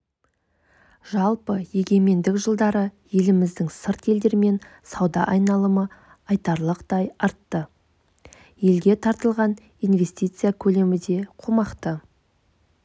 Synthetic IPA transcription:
ʒɑlˠpəje̞ɡʲe̞me̞nd̪ɪkʒəlˠd̪ɑɾəje̞lɪmɪzd̪ɪŋsəɾt̪je̞ld̪e̞ɾme̞n | sɑwd̪ɑ̰ʔɑjnɑlˠəmə | ɑjt̪ɑɾlˠəqt̪ɑjɑɾt̪ːə | je̞lɡʲe̞t̪ʰɑɾt̪əlˠʁɑn | ijnve̞st̪ʲit̪sɨjakʲʰɵle̞mɪd̪e̞qʰumɑqt̪ə

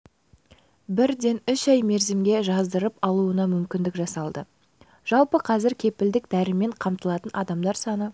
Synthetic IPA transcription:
bɪɾd̪e̞nʏʃɑjme̞ɾzemɡʲe̞ʒɑzd̪əɾəpɑlˠuənɑmʏmkʲɪnd̪ɪkʒɑsɑlˠd̪ə | ʒ̥ɑlˠpəqʰɑzɪɾkʲʰe̞pɪld̪ɪk̚d̪æɾɪme̞ɴqʰɑmt̪əlˠɑt̪ənʔɑd̪ɑmd̪ɑɾsɑnə

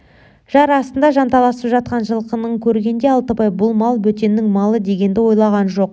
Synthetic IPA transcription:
ʒ̥ɑɾɑst̪ənd̪ɑʒɑnt̪ɑlˠɑsəpʒɑt̪̚qɑnʒəlˠqənəɴkʲʰɵɾɡʲe̞nd̪e̞ɑlˠt̪əpɑjbʊlˠmɑlˠbɵt̪e̞nːɪŋmɑlˠəd̪e̞ɡʲe̞nd̪ɪwo̞jlˠɑʁɑnʒo̞q

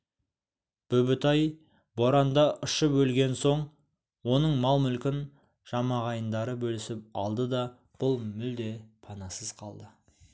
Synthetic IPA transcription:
b̥ɵbɪt̪ɑj | boɾɑnd̪ɑʔʊʃəpwɵlɡʲe̞nso̞ɴ | wo̞nəɴmɑlˠmʏlkʲɪn | ʒ̥ɑmɑʁɑjənd̪ɑɾəbɵlɪsɪp̚ɑ̰lˠd̪əd̪ɑ | b̥ʊlˠmʏld̪e̞pʰɑnɑsəz̥qʰɑlˠd̪ə

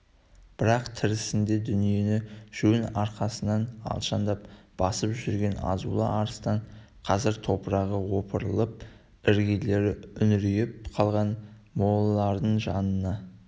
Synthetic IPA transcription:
b̥ɪɾɑqt̪ʰɪɾɪsɪnd̪e̞d̪ʏnije̞nɪʒ̥ɵnɑɾqɑsənɑnɑ̰lˠʃɑnd̪ɑp̚b̥ɑsəpʒʏɾɡʲe̞nɑ̰zṵlˠə̰ʔɑɾəst̪ɑɴ | qʰɑzɪɾt̪ʰo̞pəɾɑʁəwo̞pʰəɾəlˠəp̚ | ɪɾɡʲele̞ɾʏnɪɾijɪp̚qʰɑlˠʁɑn | mo̞lˠlˠɑɾd̪əɴʒɑnənɑ

